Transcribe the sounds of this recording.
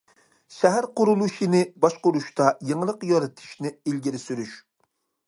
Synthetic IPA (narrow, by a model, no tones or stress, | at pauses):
ʃɛɦæɾqʊɾulˠuʃinɪbɑʃqʊɾuʃt̪ɑjeŋlˠəqjɑɾɨt̪ʰɨ̥ʃnɪilɡʲiɾɪsyɾyʃ